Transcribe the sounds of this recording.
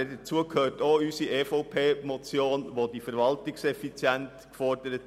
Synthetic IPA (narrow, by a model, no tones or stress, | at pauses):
ɛdət͡suəkhøːtoːysiʔeːfoʊpʰeːmɔt͡sjoːnʋodifəɾʋɑltɪksɛfit͡sjɛnt | kfɔrdəɾət